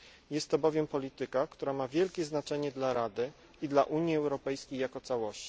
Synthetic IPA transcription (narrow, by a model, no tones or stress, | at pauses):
jɛst̪ːɔbɔvʲjɛmpɔlʲit̪ɘkakt̪uɾamavʲjɛlkʲɛznat͡ʂɛɲɛd̪laɾad̪ɘ | id̪laʔuɲjiɛwɾɔpɛjskʲejːakɔt̪sawɔɕt͡ɕi̥